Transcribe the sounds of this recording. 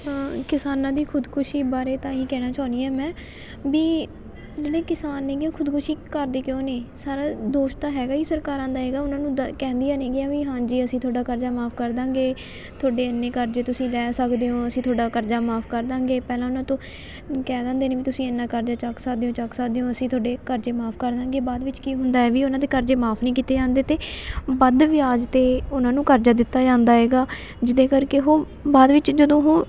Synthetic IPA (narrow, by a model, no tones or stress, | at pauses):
kɪsaːnãːd̪iːkʰʊd̪kʰʊʃiːbaːɾeːt̪ãːiːkɛːɽ̃aːt͡ʃaːniːɛːmɛ̃ː | biː | d͡ʒeːɽeːkɪsaːnːeːɡjõːkʰʊd̪kʰʊʃiːkəɾd̪eːkjõːneːsaːɾaːd̪oːʃt̪aːɦɛːɡaːiːsəɾkaːɾãːd̪aːɦɛːɡaːʊnãːnũːkɛ̃ːnd̪ijãːnẽːɡɪjãːʋiːɦãːd͡ʒiːəsĩt̪ʰoːɖaːkəɾd͡ʒaːmaːpʰkəɾd̪ãːŋɡeː | t̪ʰʊoːɖeːənːeːkəɾd͡ʒeːt̪ʊsĩːlɛːsəkd̪eːõːəsĩːt̪ʰoːɖaːkəɾd͡ʒaːmaːpʰkəɾd̪ãːɡeːpɛːlãːʊnãːt̪õː | kɛːd̪ãːnd̪eːneːʋiːt̪ʊsĩːənːãːkəɾd͡ʒaːt͡ʃəksəkd̪eːõːt͡ʃəksəkd̪eːõːəsĩːt̪ʰoːɖeːkəɾd͡ʒeːmaːpʰkəɾd̪ãːŋɡeːbaːd̪ʋɪt͡ʃkiːɦʊnd̪aːɛːʋiːʊnãːd̪eːkəɾd͡ʒeːmaːpʰnĩːkiːt̪eːd͡ʒãːnd̪eːt̪eːbəd̪ʋijaːd͡ʒt̪eːʊnãːnũːkəɾd͡ʒaːd̪ɪt̪ːaːd͡ʒãːnd̪aːɦɛːɡaː | d͡ʒɪd̪ẽːkəɾkeːɦoː | baːd̪ʋɪt͡ʃd͡ʒəd̪õːɦoː